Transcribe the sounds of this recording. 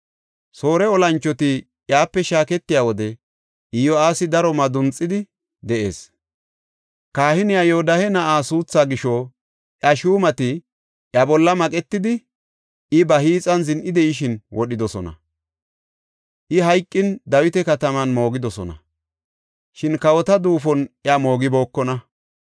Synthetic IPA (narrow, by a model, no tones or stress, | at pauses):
so̞ːɾɛɔlɐnt͡ʃːɔt̪ɪ | jaːpːɛʃaːkɛt̪ːɪjaːwɔd̪ɛ | ʔɪjɔaːsɪd̪ɐɾɔmɐd̪ʊnt͡sʼːɪd̪ɪ | d̪ɛʔe̞̰ːs | kaːhɪnɪjajɛɔd̪ɐhɛnɐʔaːsuːt͡sːaːɡɪʃɔ | ʔɐʃuːmɐt̪ɪ | ʔjɐbɔlːɐmɐkʼɛt̪ːɪd̪ɪ | ɪbɐhiːt͡sʼɐnzɪnʔɪd̪ɛɪʃ̬ɪnwʔɔɗɪd̪ɔsɔnɐ̰ | ʔɪɦɐjkʼːɪnd̪ɐwɪt̪ɛkɐt̪ɐmɐnmo̞ːɡɪd̪ɔsɔnɐ̰ | ʃɪnkɐwɔt̪ɐd̪uːfɔnʔjɐmo̞ːɡɪbo̞ːkːɔnɐ